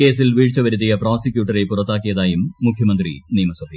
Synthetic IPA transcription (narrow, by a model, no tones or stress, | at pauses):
ke̞ːsilʋiːɻt͡ɕːɐʋɐɾut̪̬ːijɐproːsikʲjuːʈːɐɾepurɐt̪ːaːkːijɐðaːjumːukʰjɐmɐnd̪riniːmɐsɐbi